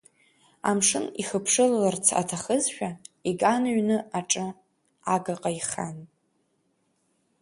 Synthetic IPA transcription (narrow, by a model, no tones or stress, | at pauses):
a̰mʂɨniχəpʰʂɨlalart͡sʰa̰tʰaχəzʃᶣaiɡanɥnɨaʈ͡ʂʼɨ | aɡaqʼaiχan